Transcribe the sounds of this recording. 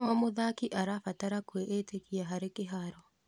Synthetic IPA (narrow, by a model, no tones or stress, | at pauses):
ɔmoðakiʔaɾafataɾakweʔeteɣiaɦaɾekeɦaɾɔ